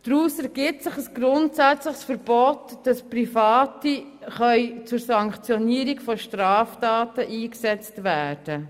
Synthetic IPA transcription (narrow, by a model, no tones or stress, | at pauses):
d̥ɾuːsɛɾɡ̥ɪp̚sɪχəsɡ̥ɾʊntsæt͡slɪχsfəɾb̥ɔtd̥ɑsprifɑːtiχœʏt͡sʊɾsɑŋkχt͡sjɔniəɾikfɔʃtrɑːftɑːtəʔiːksɛt͡stʋæːrd̥ə